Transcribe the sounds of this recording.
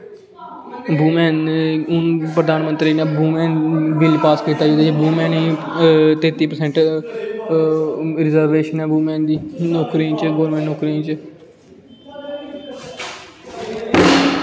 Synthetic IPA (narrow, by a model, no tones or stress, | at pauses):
buːmɛ̃ːnʊnpɾəd̪aːnmə̃nt̪ɾiːneːbuːmɛːnbɪlpaːskiːt̪aːd͡ʒoːd̪ːbuːmɛ̃ːniːt̪ẽːt̪iːpəɾsɛ̃ɳʈ | ɾɪzəɾʋeːʃənɛːbuːmɛ̃ːnd̪iːnoːkɾiːt͡ʃɡoːɾmɛ̃ɳnoːkɾiːnt͡ʃ